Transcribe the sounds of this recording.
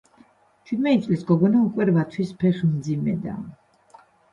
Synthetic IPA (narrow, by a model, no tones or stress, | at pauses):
t͡ʃʰwid̪mɛt̪it̪sʼlisɡɔɡɔnaukʼwɛɾvat̪ʰwispʰɛχmd̪zimɛ̰d̪a̰